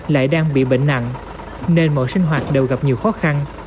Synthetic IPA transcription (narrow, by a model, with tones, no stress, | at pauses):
la̰ː˧˨jɗaː˧ŋɓḭ˧˨ɓḛ˧˨ŋ̟na̰˧˨ŋ | ne˧nmo̰˧˨jsï˧ŋ̟ɦwaː˨˩t̚ɗe˨˩wɣa˨˩p̚ɲi˨˩əwxɔ˨˦xa˧n